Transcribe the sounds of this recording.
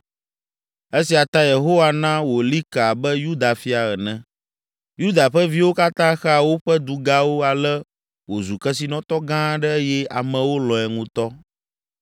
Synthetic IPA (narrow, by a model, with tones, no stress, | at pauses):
e˦si˨a˨t̪a˦je˨ɦo˦wa˨nã˦wo˨li˦ka˨bɛ˦ju˦d̪a˨fi˦a˨ɣə˨nɛ̃˨ | ju˦d̪a˨ɸə˦vi˦wo˦ka˦t̪ã˦xɛ˦a˨wo˦ɸɛ˦d̪u˨ɡa˦wo˦a˨lɛ˦ | wo˨zu˨kɛ˦s̬i˨nɔ̃˦t̪ɔ˦ɡã˦ɖɛ˦jɛ˦a˨mɛ̃˨wo˦lɔ̃˨ɛ˨ŋũ˦t̪ɔ˦